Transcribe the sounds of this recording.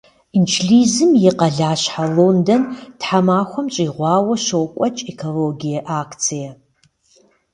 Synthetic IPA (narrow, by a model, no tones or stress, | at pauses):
nt͡ʃʰɬiːzɨmjɪqɐɮaːɕħaloːndɐntħamaːxʷɔmt͡ʃʼiːʁʷɑːwɐʃowkʷʼɐt͡ʃʼekʰoloːɡijɐʔaːkt͡sʰijɐ